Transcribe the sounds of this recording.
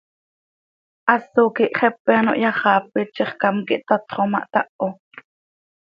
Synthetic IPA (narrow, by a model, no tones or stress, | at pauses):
ʔɑsːokiʔχɛpːɛɑno̰ʔjɑχɑːpit͡ʃːiχkɑmkiʔt̪ɑt̪χomɑ̰ʔt̪ɑʔo